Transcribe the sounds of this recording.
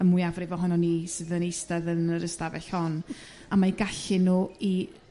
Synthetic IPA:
əmwʊjavrɪvɔɦɔnɔniːsɨðənejstɛðənəɾəstavɛɬhɔn | amaiɡaɬɪnuːi

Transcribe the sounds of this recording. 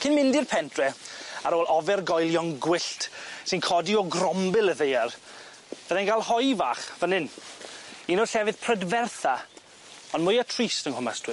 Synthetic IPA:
kʰɪnmɪndɪrpʰɛntʰrɛaɾoːlˠʔɔvɛrɡɔjlˠjɔŋɡwɪɬtsɪnkʰɔdiɔɡrɔmbɪlˠəðejar | vəðɛnɡalˠhɔjva̰ːχvənɪn | iːnɔɬɛvɨðpʰr̥ədvɛrθa | ɔnmʊjatʰriːstənhʊma̰sd̥wɪ

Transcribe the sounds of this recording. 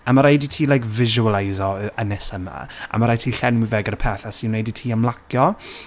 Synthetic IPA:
amaɾajditʰiːlajkvɪʒualˠajzɔənɛsəma̰a̰maɾajtʰiːɬɛnwɪvɛːɡəɾəpʰɛːθasinnejditʰiːamlˠakʰjɔ

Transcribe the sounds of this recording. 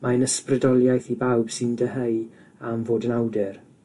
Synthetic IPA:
maənəsprɪdɔlˠjajθibawb̥sɪndəɦej | amvoːdənawdɛr

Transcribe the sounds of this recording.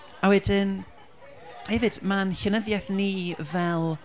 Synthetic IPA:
awɛdɪn | hɛvɨd̥manɬənəðjɛθnivɛlˠ

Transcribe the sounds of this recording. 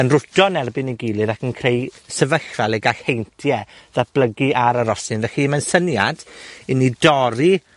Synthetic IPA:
ənrʊdɔnɛrbɪniɡilˠɨðakʰənkʰr̥ejsəvəɬvalˠeɡaɬhejntʰjɛðab̥ləɡiʔaɾaɾɔsɪnðɛximənsənjad̥inidɔɾi

